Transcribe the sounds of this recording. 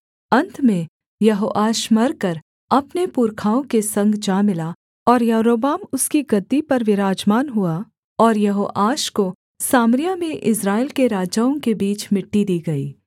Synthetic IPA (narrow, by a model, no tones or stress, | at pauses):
ɐ̃nt̪ʰmẽ | jɐɦoːʔaːʃmɐɾkɐɾ | ɐpnepuːɾkʰaːõkesɐ̃ŋɡd͡ʒaːmɪla | ɔːɾjɐɾoːbaːmʊskiɡɐd̪ːipɐɾʋɪɾaːd͡ʒmaːnɦua | ɔːɾjɐɦoːʔaːʃko | saːmɾɪjamẽʔɪsɾaːɪlkeɾaːd͡ʒaõkebiːt͡ʃmɪʈːid̪iːɡɐiː